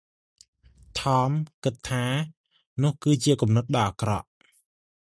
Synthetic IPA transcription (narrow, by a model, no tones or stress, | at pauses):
t̪ʰɑːmkɨt̪ʰːaː | nʊ̆əhkɨːt͡ɕiəkumnɨt̪̚ɗɑʔakrɑʔ